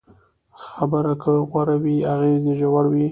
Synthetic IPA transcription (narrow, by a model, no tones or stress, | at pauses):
xabəɾakəɣwaɾawiaɣezeʒawaɽwi